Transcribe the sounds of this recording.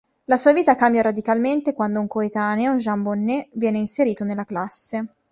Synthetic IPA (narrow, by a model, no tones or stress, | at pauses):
lasuːaviːt̪akambjaɾad̪ikalment̪ekwand̪ouŋkoet̪aːneunʒambonːevjɛːneinseɾiːt̪onelːaklasːe